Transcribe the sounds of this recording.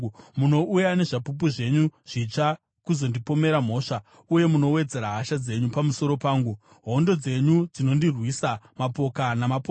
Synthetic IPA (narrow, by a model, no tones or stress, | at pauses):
muno̞ʔujane̞ʐapup̬uʐe̞ɲuʐ̥it͡ʂa | kuzo̞ndipo̞me̞ɾam̤o̞ːʂa | uje̞muno̞we̞d͡ze̞ɾaɦaʃad͡ze̞ɲupamuso̞ɾo̞paːŋɡu | ɦo̞ndo̞d͡ze̞ɲud͡zino̞ndirwisamapo̞kanamap